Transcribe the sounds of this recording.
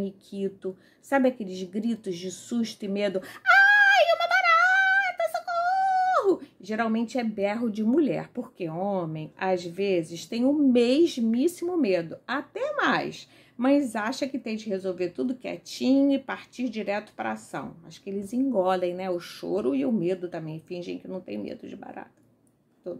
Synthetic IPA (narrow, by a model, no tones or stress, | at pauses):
nikʰit̪ʊ | sabɪakelɪzɡɾit̪ʊzd͡ʒɪsuʃt̪ʊɪmed̪ʊajũmɐbaɾat̪ɐsokohʊʒeɾawmẽnt͡ʃɪɛbɛɦʊd͡ʒɪmuʎɛ̰ɾpoɾkeõmẽj̃azvezɪst̪ẽj̃ʊmeʒmisimʊmed̪ʊat̪ɛmajs | majzaʃɐkɪt̪ẽj̃d͡ʒɪhezowveɾt̪ud̪ʊkɪɛ̰t͡ʃĩɲʊɪpaɾt͡ʃiɾd͡ʒiɾɛt̪ʊ̥pɾɐ̰asɐ̰̃w̃aʃʊ̥kɪelɪzĩɡɔlẽj̃nɛʊʃo̰ɾʊɪʊmed̪ʊt̪ɐ̃mẽj̃fĩʒḛ̃j̃kɪnɐ̃w̃t̪ḛ̃j̃mḛd̪ʊd͡ʒɪba̰ɾa̰t̪ɐ̥ | t̪od̪ʊ